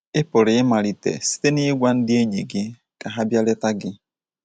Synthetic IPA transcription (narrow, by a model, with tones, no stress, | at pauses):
ɪ˦pʊ˨ɾɪ˨ɪ˦ma˨ɾi˨tḛ˨si̥˦te˦nɪ˦ɡʷa˦n̩˦dɪ˦e˦ɲe˨ɡɪ˦ | ka˨ɦa˦bja˦lɛ˦ta˦ɡɪ˦